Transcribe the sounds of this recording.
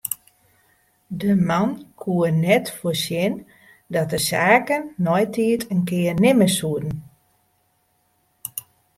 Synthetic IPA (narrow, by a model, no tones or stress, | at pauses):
dəmankʰuənɛtfosjɪn | dɔt̚dəsaːkənːɔjtʰiːətʰənkɪːərnɪməsuədn̩